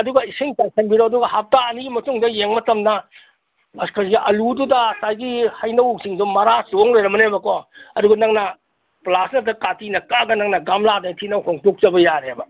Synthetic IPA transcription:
ɐduɡɐisiŋpajsʰɐŋbiɾoɐduɡɐhap̚taɐniɡimɐtuŋdɐjeŋmɐtɐmnɐ | ɐskʰasɡiʔɐlududɐsajɡihɐjnɐwksiŋdumɐɾasoŋlejɾɐmɐnebɐkɔɐduɡɐnɐŋnɐ | plasnɐtɐkatinɐkaɡɐnɐŋnɐɡamladajtʰinawhoŋtok̚t͡ʃɐbɐjaɾebɐ

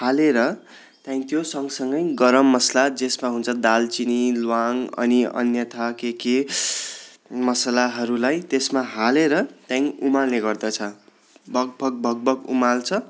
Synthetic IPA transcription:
haleɾʌ | t̪jãĩt̪josʌŋsʌŋɡʌjɡʌɾʌmːʌslad͡zesmaɦunt͡sʰʌd̪alt͡sinilwaŋʌ̰niʌ̰njʌt̪ʰakeke | mʌslaɦʌɾulajt̪esmaɦaleɾʌt̪jãĩumalneɡʌrd̪ʌt͡sʰʌ | bʱʌɡ̚bʱʌk̚bʱʌɡ̚bʱʌkṵmalt͡sʰʌ

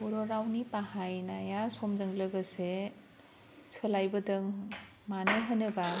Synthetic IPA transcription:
uɾɔɾawnipahajnajasɔmzɯŋlɯɡɯse | sʰɯlajbɐdɯŋ | manɯɦɯnɯba

